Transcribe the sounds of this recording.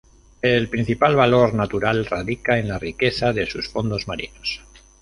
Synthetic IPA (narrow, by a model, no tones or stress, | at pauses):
elpɾin̟θipalβalo̞ɾnat̪uɾalraðikae̞nlarike̞θaðe̞susfo̞nd̪o̞zmaɾḭnos